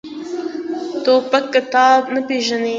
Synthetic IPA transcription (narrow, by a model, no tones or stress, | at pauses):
t̪opakːɪt̪ɑbnapeʒane